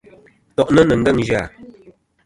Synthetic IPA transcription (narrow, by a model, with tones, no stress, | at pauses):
tɔ˨ʔnə˦nə˨ŋ̩˦ɡə˦˨ŋʒa˦˨